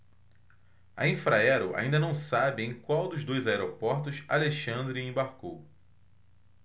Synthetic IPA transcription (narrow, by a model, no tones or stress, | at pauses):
ɐ̰ĩfɾaɛɾʊʔa̰ĩnd̪ɐnɐ̃w̃sabɪẽj̃kwawd̪ʊzd̪ojzaɛɾopɔɾt̪ʊsa̰leʃɐ̃nd̪ɾɪẽbaɾkow